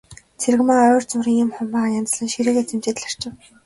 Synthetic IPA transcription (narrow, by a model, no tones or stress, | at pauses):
t͡sʰeɾɘ̆ɣmaœːrt͡sʊɾĭŋɪmχʊmpaːʁajant͡sə̆ɮə̆nʃiɾĕːket͡sĕmt͡ɕeːt̪ɮar̥t͡ɕɪ̆w